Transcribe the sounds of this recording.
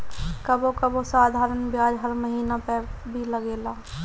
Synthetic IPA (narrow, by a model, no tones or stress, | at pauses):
kɐbokɐbosaːd̪ʱaːɾənbjaːd͡ʒɦəɾməɦiːnapəbʱiləɡeːlaː